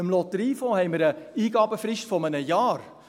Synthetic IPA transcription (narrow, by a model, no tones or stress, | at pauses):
əmlɔtəɾiːfõːhɛɪməɾəiːɡɑːbəfrɪʃtfɔmənəjɑːr